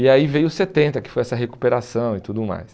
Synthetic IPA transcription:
iaivejʊʊset̪ẽnt̪ɐkɪ̥fojɛsɐɦekupeɾasɐ̃w̃ɪt̪ud̪ʊma̰js

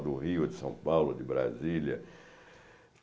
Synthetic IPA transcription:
d̪ʊʁiʊd̪ɪsɐ̃w̃pawlʊd̪ɪbɾa̰ziljɐ

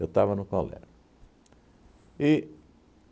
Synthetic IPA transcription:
ewt̪avɐnʊkolɛ̰ʒʊ | ɪ

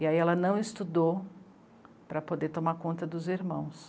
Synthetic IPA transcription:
iaiɛlɐnɐ̃w̃ɪst̪ud̪ow | pɾɐpod̪eɾt̪omakõnt̪ɐd̪ʊziɾmɐ̃w̃s

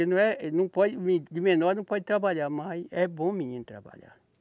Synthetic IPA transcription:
enɐ̃w̃ɛnɐ̃w̃pɔdɪmid̪ɪmẽnɔɾnɐ̃w̃pɔd͡ʒɪt̪ɾabaʎaɾmajɛbõmiɲĩnʊt̪ɾa̰ba̰ʎa̰ɾ

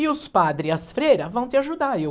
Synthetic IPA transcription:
ɪʊspad̪ɾɪɐsfɾejɾɐvɐ̃w̃t̪ɪaʒud̪aɾe

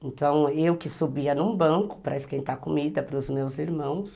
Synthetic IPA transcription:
ẽnt̪ɐ̃w̃ewkɪsubiɐnũbɐ̃kʊ̥pɾɐeskẽnt̪akomid̪ɐpɾʊzmewziɾmɐ̃w̃s

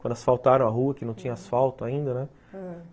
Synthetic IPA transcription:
kwɐ̃nd̪ʊasfawt̪aɾɐ̃w̃aɦuɐkɪnɐ̃w̃t͡ʃĩɲɐasfawt̪ʊaĩnd̪ɐnɛ

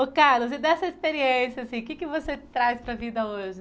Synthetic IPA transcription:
ʊkaɾlʊz̬ɪd̪ɛsɐispeɾiẽsjasĩkɪkɪvoset̪ɾajspɾɐvid̪ɐoʒɪ

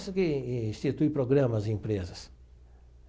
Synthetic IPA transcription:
sɪkɪĩst͡ʃit̪ujpɾoɡɾɐ̃mɐzɪĩmpɾezɐs

